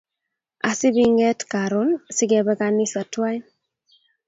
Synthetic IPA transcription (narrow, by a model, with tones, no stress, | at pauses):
a̰˨sɪ˦bi˦ŋɛ˦tka˨ɾo˦nsɪ˦ɡɛ˨bɛ˦ka˨nɪ˦sa˨twa˦i˦